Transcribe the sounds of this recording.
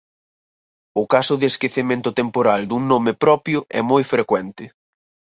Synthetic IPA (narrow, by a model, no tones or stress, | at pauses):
ʊkasʊðɪeskeθemẽnt̪ʊt̪empoɾald̪uŋnomɪpɾɔpjʊʔɛ̰mojfɾekwɛnt̪ɪ